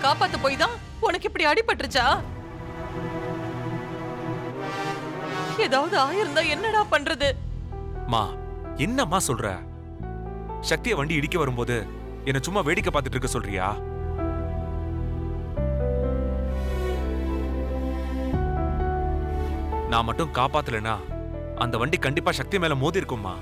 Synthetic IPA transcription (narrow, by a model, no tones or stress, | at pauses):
kaːpaːt̪ːɐpoːjt̪ãː | ɔnɐkːɪpːɐɽiɐɽɪpːɐʈːɾɯt͡ʃːaː | ɛðaːʋɐðɯaːjɪɾɯnd̪ãːɛnːɐɽaːpɐɳɾɐðɯ | ma̰ː | ɛnːɐmaːsɔlrɛ̰ː | ʃɐk̚t̪ɪjɐʋɐɳɖiɪɽɪkːɐʋɐɾɯmpoːðɯ | ɛnːɐt͡ʃʊmːaʋeːɽɪkːɐpaːt̪ɯʈːɪɾɯkːɯsɔlɾɪ̰ja̰ː | naːmɐʈːɯ̃nkaːpaːt̪ːɯlɛnːaː | ɐ̰nd̪ɐʋɐɳɖikɐɳɖɪpːaːʂɐk̚t̪imeːlɐmoːðiɪɾɯkːɯmːa̰ː